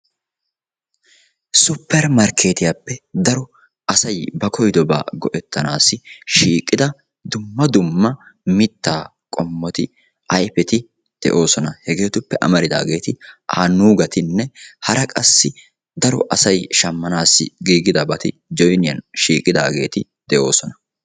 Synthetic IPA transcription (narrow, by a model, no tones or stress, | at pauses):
sʊpːɛɾmɐɾkʰe̞ːt̪ɪjapːɛd̪ɐɾɔ | ʔɐsɐjbɐkʰɔjd̪ɔba̰ːɡɔʔɛt̪ːɐnaːsːɪʃiːkʼːɪd̪ɐ | d̪ʊmːɐd̪ʊmːɐmɪt̪ːaː | kʼɔmːɔt̪ɪ | ʔɐjpɛt̪ɪ | d̪̥ɛ̰ʔo̞ːsɔnɐhɛɡe̞ːt̪ʊpːɛʔɐ̰mɐɾɪd̪a̰ːɡe̞ːt̪ɪʔa̰ːnuːɡɐt̪ɪnːɛhɐɾɐkʼɐsːɪ | d̪ɐɾɔ̰ʔɐsɐjʃɐmːɐnaːsːɪ̰ɡiːɡɪd̪ɐbɐt̪ɪ̰d͡ʒɔjnɪjɐ̰nʃiːkʼːɪd̪a̰ːɡe̞̰ːt̪ɪ | d̪̥ɛʔo̞ːsɔnɐ